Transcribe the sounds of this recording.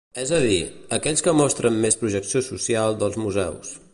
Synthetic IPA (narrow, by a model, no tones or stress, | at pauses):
ɛzəðiəkɛʎskəmɔst̪ɾəmːespɾuʒəksiosusialˠd̪əlˠzmuzɛ̰ws